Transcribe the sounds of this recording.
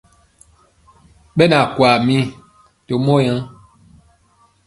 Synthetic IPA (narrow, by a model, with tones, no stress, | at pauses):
ɓɛ˦na˨kwa˨mĩ˦ | to˨mɔ˦jã˦